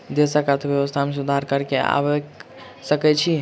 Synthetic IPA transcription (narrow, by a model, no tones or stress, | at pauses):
d̪esəkat̪ʰɔbjeʋəst̪ʰamesud̪ʱaɾkəɾkea̰bɛk | səkɛt͡ʃʰi